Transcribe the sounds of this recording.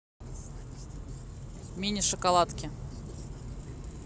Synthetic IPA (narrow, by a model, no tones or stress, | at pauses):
mʲinʲɪʂəkalˠat̪kʲɪ